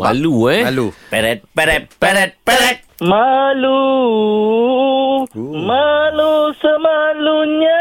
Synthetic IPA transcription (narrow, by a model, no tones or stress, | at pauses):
a̰luelupɛɾɛt̪̚pɛɾɛt̚pɛɾɛt̪̚pɛɾɛt̚malu | malusəmaluɲa